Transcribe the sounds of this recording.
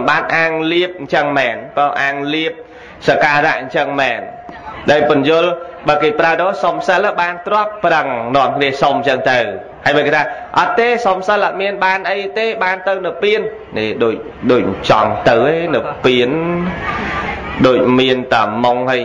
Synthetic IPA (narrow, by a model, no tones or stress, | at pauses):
mɓaːt̪̚ʔaːŋliəp̚ɲt͡ɕəŋmɛːnpɔʔaːŋliəp̚ | sakaːɾaʔɲt͡ɕəŋmɛːn | ɗaːjpʊnjʊəlɓaːkeːpraəɗoːsomsəlaɓaːnt̪rŏəpːrəŋnŏəmkʰniəsomɲt͡ɕəŋt̪ɨw | haəjɓaːjket̪ʰaː | ʔɑt̪̚t̪ːeːsomsəlʔat̪̚miənɓaːnʔəjt̪eːɓaːnt̪ɨwnɨwpiən | niɗoːc̚ | ɗoːc̚t͡ɕɑ̰ŋt̪ɨwʔeːnɨwpiən | ɗoːc̚miənt̪amoŋhəj